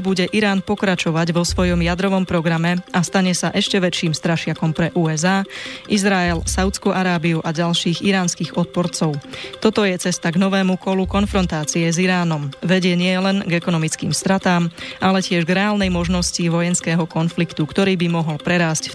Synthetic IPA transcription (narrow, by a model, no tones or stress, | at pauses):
buɟɛʔiɾaːnpɔkɾat͡ʃɔʋaɟʋɔsʋɔjɔmjad̪ɾɔʋɔmpɾɔɡɾamɛast̪aɲɛsaʔɛʃcɛʋɛt͡ʃiːmst̪ɾaʃɪakɔmpɾɛʔuːɛzaːʔizɾaɛlsaʊt̪t͡skuʔaɾaːbiuʔaɟalʃiːɣiɾaːnskiːɣɔt̪̚pɔɾt͡sɔʊt̪ɔt̪ɔjɛt͡sɛst̪aɡnɔʋɛːmukɔlukɔnfɾɔnt̪aːt͡siɛziɾaːnɔmʋɛɟɪɛɲɪɛlɛnɡɛkɔnɔmit͡skḭːmst̪ɾat̪aːmʔalɛcɪɛʒɡɾɛaːlnɛjmɔʒnɔsciʋɔjɛnskɛːɦɔkɔnflikt̪ukt̪ɔɾiːbimɔɦɔlpɾɛɾaːsc